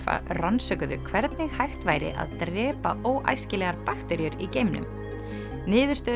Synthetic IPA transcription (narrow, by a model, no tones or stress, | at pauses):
a̰ransœkʏðʏ̰kʰvɛɾt̪nɪɣhajxt̪vaːjɾɪ̰ʔa̰ðt̪ɾɛːpa̰ʔoːwʔa̰jscɪlɛːɣaɾpakt̪ɛɾjʏɾicejmnʏ̰m | nɪːðʏɾ̥st̪œ